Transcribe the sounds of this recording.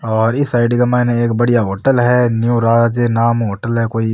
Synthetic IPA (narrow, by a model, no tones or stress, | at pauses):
ɔːɾɪsaːɪɖikamɛ̃ːnẽeːkbɐɽijaɦoːʈəlɦɛnjuɾaːd͡ʒenaːmɦoːʈəlɦɛkoːi